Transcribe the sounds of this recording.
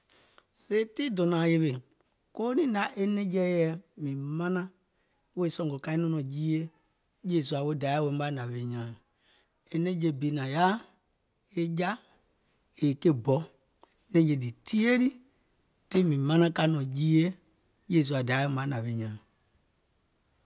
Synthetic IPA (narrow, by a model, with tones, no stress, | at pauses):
se˦ti˦dɔ˨nã˨je˧be˨ | ko˦o˦nĩ˦da˨˦ʔe˦nɛ̃˦d͡ʒɛ˦jɛ˧˦mĩ˨mã˦nã˦ | we˦sɔ̃˨ŋɡɔ˨ka˧ĩ˦nɔ̃˦nɔ̃˨d͡ʒiː˦je˦ | jeː˦˨s̬u˧˦a˨wo˦da˨˦wõ˨˦a˦nã˨ʋe˨ɲãː˨ | e˨nẽ˦d͡ʒe˧bi˨˦nã˨ja˦ | e˦d͡ʒa˦ | e˨ke˦bɔ˨˦ | nɛ̃˧˦d͡ʒe˧˨di˨ti˦e˦ɾi˦ | ti˦mĩ˨mã˦nã˦ka˧˦nɔ̃˨d͡ʒiː˦je˦ | je˦˨s̬u˧a˨da˨˦wo˦mã˨˦nã˨ʋe˨˦ɲãː˨